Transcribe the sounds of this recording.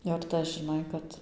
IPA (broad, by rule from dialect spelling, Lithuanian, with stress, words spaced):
jɛʊ ɪr ˈtɐs ʒʲɪˈnɐɪ kɐt